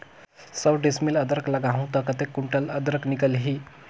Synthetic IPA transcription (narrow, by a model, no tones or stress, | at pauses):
səwɖesmiləd̪əɾəkləɡaɦũt̪əkət̪ekːuɳʈələd̪ɾəknikəlɦi